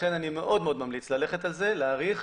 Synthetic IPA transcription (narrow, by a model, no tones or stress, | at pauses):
enanime̞ʔo̞dmeo̞d̪mamlit͡slale̞χet̪alze̞leaʁiχ